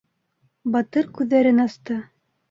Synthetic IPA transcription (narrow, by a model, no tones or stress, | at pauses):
bɑt̪ɤɾkʉðːæɾɘnɑst̪ɤ